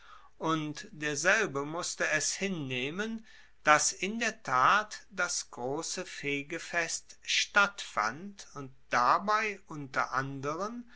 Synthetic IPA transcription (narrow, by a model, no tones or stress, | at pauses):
ʔʊntd̥eːɐzɛlbəmʊstəɛshɪnːeːmən | d̥asɪndeːɐtʰaːtd̥asɡ̥ʁoːsəfeːɡəfɛstʃtatfa̰ntʊnt̚d̥abaɪʔʊntɐ̰ʔandəʁəm